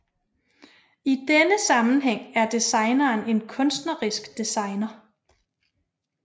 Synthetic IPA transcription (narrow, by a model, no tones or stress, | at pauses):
id̥enəsɑ̈mn̩ɦeŋ̰æɐd̥isɑ̈ɪnɐːne̝nkʰɔ̽nsd̥nɐʁisɡ̥d̥isɑ̈ɪnɐ